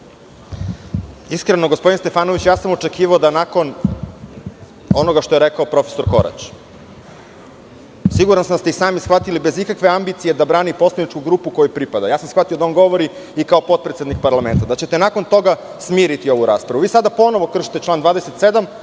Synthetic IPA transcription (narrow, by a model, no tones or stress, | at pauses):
iskɾenoɡospoinst̪e̞faːno̞ʋit͡ɕjaːsamo̞t͡ʃekiːʋaod̪anako̞n | o̞no̞ɡaʃt̪o̞jeɾekaopɾo̞feso̞ɾko̞̰ɾa̰t͡ʃ | siɡuɾansamst̪eisaːmisxʋat̪ilibezikakʋe̞ambit̪sije̞d̪abɾaːnipo̞sled̪nit͡ʃkuɡɾuːpuko̞jupɾipad̪ajaːsamsxʋat̪iod̪aonɡo̞ʋo̞ɾi | ikaopo̞t̪̚pɾet̪sed̪nik̚paɾlame̞nt̪ad̪at͡ɕe̞t̪e̞nako̞nt̪o̞ɡa | smiːɾit̪io̞ʋuɾaːspɾaʋuʋiːsad̪apo̞no̞ʋokr̩ʃi̥t̪e̞t͡ʃlaːnd̪ʋaːd̪eset̪se̞d̪am